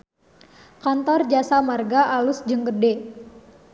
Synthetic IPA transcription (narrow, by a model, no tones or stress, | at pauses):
kant̪ɔrd͡ʒasamarɡaʔalʊsd͡ʒəŋɡərde